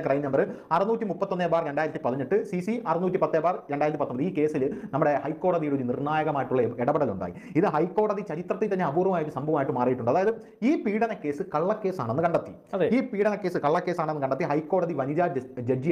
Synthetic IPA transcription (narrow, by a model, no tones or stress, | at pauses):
krɐjiɲːɐnɐmbɐrɨɐrɐnuːtʲːimupːɐt̪ːo̞nːeːbaːrɾe̞ɳɖaːjiɾɐt̪ːipɐðiɲiʈːɨsisiɐrɐnuːt̬ʲːipɐt̪ːeːbaːrɾe̞ɳɖaːjɾɐt̪ːipɐt̪ːombɐðɨiːke̞ːsilnɐmːuɽe̞hɐjkːo̞ːɽɐðijuɽulːinirɳaːjɐɣɐmaːjiʈːuɭːɐeɽɐbɐɽɐluɳɖa̰ːjḭ | iðɨɦɐjkːo̞ːɽɐðit͡ɕɐɾit̪rɐt̪ːet̪ɐnːeɐbuːrɐʋɐmaːjiʈːɨsɐmbʱɐʋɐmːiʈːɨmaːrijiʈːuɳɖɨɐðaːjɐðɨ | iːpiːɽɐnɐkːe̞ːsɨkɐɭːɐkːe̞ːsaːɳenːɨkɐɳɖɐt̪ːi̥ | ɐðeiːpiːɽɐnɐkːe̞ːsɨkɐɭːɐkːe̞ːsaːɳenːɨkɐɳɖɐt̪ːiɦɐjkːo̞ːɽɐðiʋɐniɾaːd͡ʑed͡ʑi